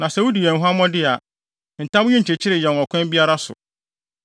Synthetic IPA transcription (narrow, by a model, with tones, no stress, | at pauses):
nã˨sɛ˦wu˦di˨ɛ̃˨n̩˨ɦa˦mɔ̃˦dɪ˦a˨ | n̩˨tʰã˦m˦ɲĩ˦˨e˨t͡ɕʰɪ˦ɾɪ˨jɛ̃˨n˨ɔ˨kʰʷɛ̃˦bi˦a˦ɾa˦sʊ̰˨